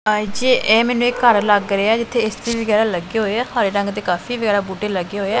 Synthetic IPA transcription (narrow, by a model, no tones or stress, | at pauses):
d͡ʒeːʔɛːmɛːnũːekːəɾləɡɾeːaːd͡ʒɪt̪ʰːeːɪst̪eːʋəɡɛːɾaːləɡeːɦoːeːaːhaːɾeːɾə̃ŋɡt̪eːkaːfʰiːʋəɡɛːɾaːbuːʈeːləɡeːɦoːeːɛː